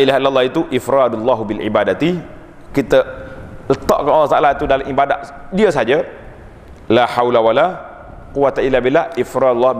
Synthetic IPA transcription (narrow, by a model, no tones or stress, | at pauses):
ilaɦilːalːɑhit̪uʔifɾadlːɑɦbilʕḭbadat̪i | kit̪ələt̪ɔ̰ʔkanalːɑht̪aʔalait̪udalamibada̰ʔdiəsad͡ʒa | lahawlawala | quwat̪ailːabilaifɾadlːɑ